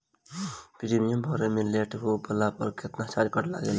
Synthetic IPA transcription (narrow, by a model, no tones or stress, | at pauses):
piɾimijəmbʱɔɾemeleʈɦobəlapʌɾkʰet̪nat͡ʃaɾkʌɾla̰ɡel